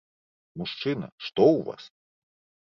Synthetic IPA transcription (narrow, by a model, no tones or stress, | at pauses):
muʂt͡ʂɨnɐ̰ʂt̪ɔwva̰s